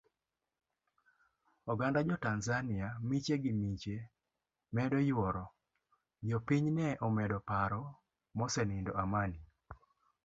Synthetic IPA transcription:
ɔɡandad͡ʒɔtanzanɪamit͡ʃeɡɪmit͡ʃe | mɛdɔjwɔɾɔ | d͡ʒɔpiɲnɛʔɔmɛdɔpaɾɔ | mɔsɛnɪndɔamani

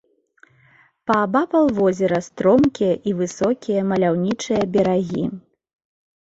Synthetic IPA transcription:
pɐːbapɐlˠvɔzʲɛɾɐst̪ɾɔmkʲijɐʔivɨsɔkʲijɐmɐlʲawnʲit͡ʂɨjɐbʲɛɾaɣʲi

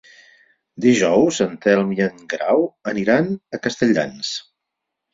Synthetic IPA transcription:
d̪iʒɔwzənt̪ɛlˠmiəŋɡɾawəniɾanəkəst̪əʎa̰ns

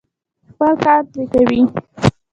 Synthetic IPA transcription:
xpəlkɑɾpɾekawi

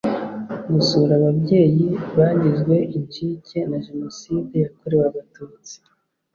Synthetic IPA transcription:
ɡusuɾaβabɟe̞ːjiβaːɲɟiʒɡwe̞iɲt͡ʃiːce̞naʒe̞no̞siːdejakoɾewaβatuːt͡si̥

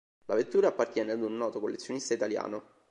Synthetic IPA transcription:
lavet̪ːuːɾapːart̪jɛːnead̪unːɔːt̪okolːet̪sːjonist̪ait̪alja̰ːno

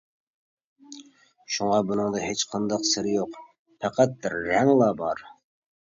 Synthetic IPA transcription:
ʃuŋɑbunɨŋd̪ɑɦet͡ʃqʰɑnd̪ɑqsɪɾɪjoq | pʰæqʰæt̪̚d̪ɪɾːæŋlˠɑbɑɾ

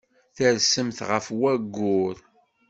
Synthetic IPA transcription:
θəɾsəmθʁəfwæɡːʊɾ

